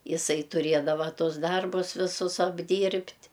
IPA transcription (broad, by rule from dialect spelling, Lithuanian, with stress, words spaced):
ɪˈsɐɪ tʊˈrʲeːdɐʋɐ ˈtʊs ˈdɐrbʊs ʋʲɪˈsʊs ɐbʲˈdʲiːrʲpʲtʲ